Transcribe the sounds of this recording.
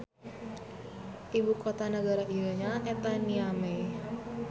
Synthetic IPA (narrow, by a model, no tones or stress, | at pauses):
ʔibukot̪anəɡaɾaijoɲaʔet̪aniame